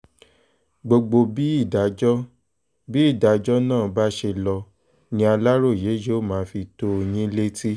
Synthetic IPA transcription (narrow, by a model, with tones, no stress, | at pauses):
ɡ͡bo˧ɡ͡bo˧bi˦i˦˨da˨˦d͡ʒɔ˦ | bi˦i˦˨da˨˦d͡ʒɔ˦nãː˦˨ba˦ʃe˧lɔ˧ | nĩ˦a˧la˦ɾo˦˨je˨˦je˦˨mãː˨˦fi˧to˧o˧j̃ĩ˦le˦ti˦